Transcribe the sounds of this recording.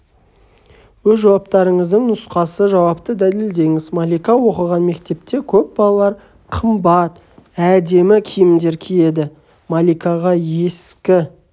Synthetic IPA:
wɵzʒɑwɑpt̪ɑɾəɴəzd̪əɴnʊsqɑsəʒɑwɑp̚t̪əd̪æle̞ld̪e̞ŋɪzmalʲijkɑwo̞qəʁɑnme̞kt̪e̞p̚t̪e̞kʲʰɵp̚bɑlˠɑlˠɑɾ | qʰəmbɑt̪ | æd̪e̞mɪkʲʰijɪmd̪e̞ɾkʲʰije̞d̪ɪ | malʲikɑʁɑje̞skʲɪ

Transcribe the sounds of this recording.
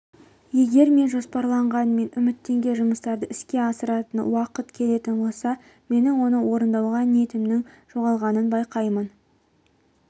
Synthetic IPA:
je̞ɡʲe̞ɾme̞nʒo̞spɑɾlˠɑɴʁɑnme̞nʏmɪt̪ːe̞ŋɡʲe̞ʒʊməst̪ɑɾd̪əɪskʲe̞ɑsəɾɑt̪ənwɑqət̪kʲʰe̞le̞t̪ɪnbo̞lˠsɑ | me̞nɪŋwo̞nəwʔo̞ɾənd̪ɑwʁɑnie̞t̪ɪmnɪŋ | ʒ̥o̞ʁɑlˠʁɑnənbɑjqɑjmən

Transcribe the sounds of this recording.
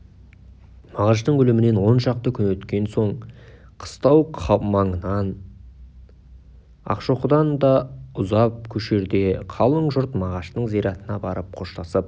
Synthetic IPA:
mɑʁɑʃ̬t̪əɴɵlɪmɪne̞nwo̞nʃɑq̚t̪əkʲʰʏnwɵt̪kʲe̞nso̞ɴqʰə̥st̪ɑwqʰɑmɑɴənɑn | ɑ̰qʃoqʊd̪ɑnd̪ɑʊzɑp̚kʲʰɵʃe̞ɾd̪e̞qʰɑlˠəɴʒʊɾt̪mɑʁɑʃt̪əɴzijɾɑt̪ənɑbɑɾəp̚qʰo̞ʃt̪ɑsəp̚

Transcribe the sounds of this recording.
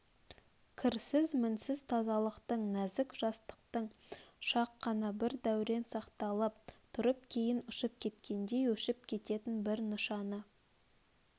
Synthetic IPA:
kʲʰɪɾsɪzmɪnsɪzt̪ʰɑzɑlˠəqt̪əɴnæzɪkʒ̥ɑst̪ə̥qt̪əɴʃɑqːɑnɑbɪɾd̪æwɾe̞nsɑqt̪ɑlˠəp̚t̪ʰʊɾəp̚kʲʰe̞jɪnʊʃəp̚kʲʰe̞t̪kʲe̞nd̪e̞jwɵʃɪp̚kʲʰe̞t̪e̞t̪ɪnbɪɾnəʃɑnə

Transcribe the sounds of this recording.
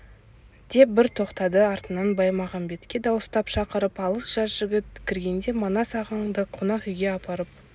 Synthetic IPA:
d̪̥e̞p̚bɪɾt̪ʰo̞qt̪ɑd̪əɑɾt̪ənɑnbɑjmɑʁɑnbe̞t̪kʲe̞d̪ɑwəst̪ɑpʃɑqəɾəpɑlˠəsʒ̥ɑzʒɪɡʲɪt̪̚kʲʰɪɾɡʲe̞nd̪e̞monɑsɑʁəɴd̪əqʰonɑχʏjɡʲe̞ɑpʰɑɾəp̚

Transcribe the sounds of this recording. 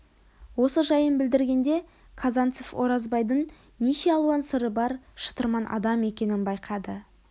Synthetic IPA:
wo̞səʒɑjənbɪld̪ɪɾɡʲe̞nd̪e̞ | kʰɑzɑnt̪sofo̞ɾɑzbɑjd̪əɴ | neʃe̞ɑlˠuɑnsəɾəbɑɾʃə̥t̪əɾmɑnʔɑ̰d̪ɑme̞kʲe̞nɪnbɑjqʰɑd̪ə

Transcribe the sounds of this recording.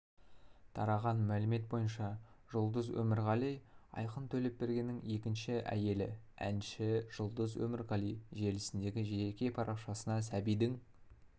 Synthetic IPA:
t̪ʰɑɾɑʁɑnmælɪme̞t̪̚bo̞jənʃɑ | ʒ̥ʊlˠd̪əzwɵ̰mɪɾʁɑlˠijɑ̰jqənt̪ʰɵle̞p̚be̞ɾɡʲe̞nːɪŋe̞kʲɪnʃɪʔæ̰je̞lɪæ̰nʃɪʒ̥ʊlˠd̪əzwɵ̰mɪɾʁɑlijʒe̞lɪsɪnd̪e̞ɡʲɪʒekʲe̞pʰɑɾʔɑqʃɑsənɑsæbijd̪ɪŋ

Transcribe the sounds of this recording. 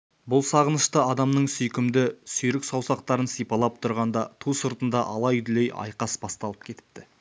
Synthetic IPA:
bʊlˠsɑʁənəʃt̪əɑd̪ɑmnəɴsʏjkʲɪmd̪ɪsʏjɾɪksɑwsɑq̚t̪ɑɾənsijpɑlˠɑp̚t̪ʰʊɾʁɑnd̪ɑt̪ʰusəɾt̪ənd̪ɑʔɑlˠɑjʏd̪ɪlejɑ̰jqɑsbɑst̪ɑlˠəp̚kʲʰe̞t̪ɪ̥p̚t̪ɪ

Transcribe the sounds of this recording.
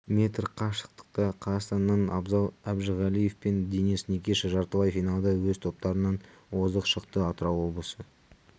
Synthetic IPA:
mʲe̞t̪rqʰɑʃə̥q̚t̪ə̥q̚t̪ɑqʰɑzɑst̪ɑnːɑnɑ̰bzɑlˠæbʒəʁælije̞fpe̞nd̪enisnekʲeʃʒɑɾt̪əvɑjfijnɑlˠd̪ɑwɵzt̪ʰo̞p̚t̪ɑɾənɑn | wo̞zəqʃəqt̪əɑt̪əɾɑwwo̞blˠəsə

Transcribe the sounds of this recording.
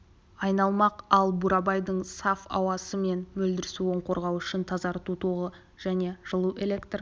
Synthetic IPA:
ɑjnɑlˠmɑqɑlˠbuɾɑbɑjd̪əɴsɑfɑ̰wɑsəme̞nmɵld̪ɪɾɪsuo̞ɴqo̞ɾʁɑwʏʃɪnt̪ʰɑzɑɾt̪ut̪ʰuʁə | ʒ̥æne̞ʒ̥əlˠuʔe̞lʲe̞kt̪r

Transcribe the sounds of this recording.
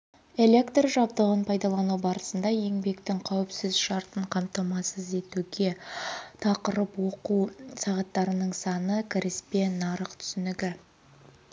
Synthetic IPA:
e̞lʲe̞kt̪rʒɑb̚d̪əʁənpʰɑjd̪ɑlˠɑnubɑɾəsənd̪ɑje̞ŋbe̞kt̪ɪŋqʰɑwɪpsɪzʃɑɾt̪əɴqʰɑmt̪ɑmɑsəze̞t̪uɡʲe̞t̪ʰɑqəɾəpwo̞qusɑʁɑt̪ːɑɾənəɴsɑnəkʲʰɪɾɪspe̞nɑɾəqt̪ʰʏ̥sʏnɪɡʲɪ

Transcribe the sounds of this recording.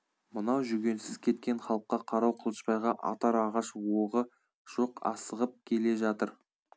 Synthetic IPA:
mənɑwʒʏɡʲe̞nsɪz̥kʲʰe̞t̪̚kʲe̞ɴχɑlˠəqːɑqʰɑɾɑwqʰəlˠəʃpɑjʁɑʔɑ̰t̪ɑɾɑʁɑʃwoʁə | ʒ̥oqɑ̰səʁəp̚kʲʰe̞le̞ʒɑt̪əɾ

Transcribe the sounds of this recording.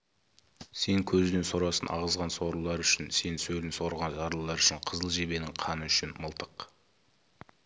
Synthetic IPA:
se̞ŋkʲʰɵzɪnenso̞ɾɑsənʔɑ̰ʁəzʁɑnso̞ɾəlˠɑɾʏʃɪnse̞nsɵlɪnso̞ɾʁɑnʒɑɾlˠəlˠɑɾʏʃɪɴqʰəzəlˠʒe̞be̞nɪŋqʰɑnəʏʃɪnməlˠt̪əq

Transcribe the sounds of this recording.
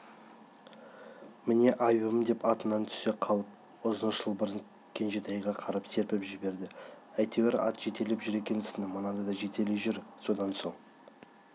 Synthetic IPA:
mɪne̞ʔɑjbəmd̪e̞pɑt̪ənɑnt̪ʰʏ̥se̞qʰɑlˠəp̚ | ʊzənəʃʃəlˠbəɾən | kʲʰe̞nʒet̪ɑjʁɑqʰɑɾɑpse̞ɾpɪpʒɪbe̞ɾd̪ɪæjt̪eweɾɑ̰t̪ʒ̥e̞t̪e̞lepʒʏɾe̞kʲe̞nɪsɪnɪmənɑd̪əd̪ɑʒe̞t̪e̞leʒʏɾso̞d̪ɑnso̞ɴ

